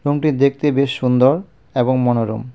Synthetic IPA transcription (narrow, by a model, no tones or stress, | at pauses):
ɾomʈid̪ek̚ʰt̪ebeʃːund̪oɾ | eboŋmɔnoɾo̰m